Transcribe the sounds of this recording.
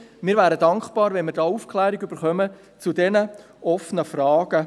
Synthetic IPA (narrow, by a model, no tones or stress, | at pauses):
mɪːɾvæːɾədɑŋχb̥ɑːɾvɛnmɪːɾdɑːufkχlæːɾiɡyb̥əɾχœmə | t͡sudɛnə | ʔɔfənəfrɑːɡ̥ə